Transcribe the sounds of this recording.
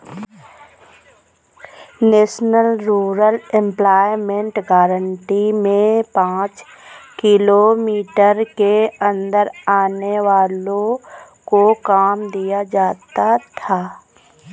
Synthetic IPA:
neːʃnəlɾuːɾəlɛ̃mplaːɪmẽɳʈɡaːɾəɳʈimẽpãːt͡ʃ | kɪlomiːʈəɾkeə̃nd̪əɾaːneʋaːlõ | kokaːmd̪ijad͡ʒaːt̪at̪ʰaː

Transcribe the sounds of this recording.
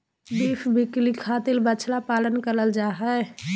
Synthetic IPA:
biːpʰbʱɪklikʰaːt̪ilbət͡ʃʰlapaːlənkəɾəld͡ʒaɦə

